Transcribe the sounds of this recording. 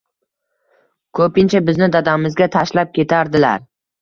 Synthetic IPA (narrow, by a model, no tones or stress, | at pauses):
kʰɵpɪnt͡ʃʰabɪznɪd̪ad̪amɪzɡʲat̪ʰaʃlap̚kʲʰe̞t̪ʰaɾd̪ɪla̰ɾ